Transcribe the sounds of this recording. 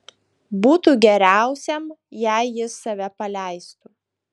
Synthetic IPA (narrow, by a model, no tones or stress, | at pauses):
buːt̪uɡʲɛɾʲæˑʊsʲɛmjæˑɪjɪsːɐʋʲɛpɐlʲæˑɪst̪u